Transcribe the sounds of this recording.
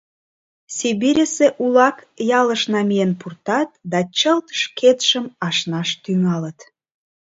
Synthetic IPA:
siβiɾʲəseʔulɑk | jɑləʃnɑmijenpurt̪ɑt̪̚d̪ɑt͡ɕəlt̪əʃkʰet̪ʃəmɑʃnɑʃt̪yŋɑlət̪

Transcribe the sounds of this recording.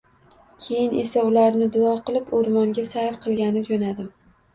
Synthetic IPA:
kʲʰe̞jɪnʔe̞saʊlaɾnɪd̪ʊɒqʰɨlˠɪpoɾmɒŋɡʲasahɾqʰɨlˠɡʲanɪd͡ʒonad̪ɪm

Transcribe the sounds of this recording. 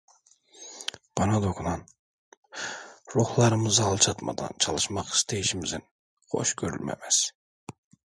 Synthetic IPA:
b̥ɑnɑd̪okʰunɑn | ɾuhlˠɑɾɯmɯzɑlˠt͡ʃʰɑt̪mɑ̰d̪ɑ̰nt͡ʃʰɑlˠɯʃmɑχi̥st̪ʰejiʃimizin | χo̞̰ʃɡ̥ʲøɾy̰lʲmæ̰mæs

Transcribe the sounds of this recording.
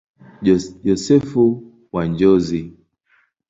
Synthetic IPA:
jɔsɛfu | waɲd͡ʒɔzi

